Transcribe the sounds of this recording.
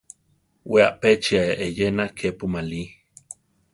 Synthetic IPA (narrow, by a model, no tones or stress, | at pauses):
wea̰ʔpet͡ʃiaeʔejenakʰepumali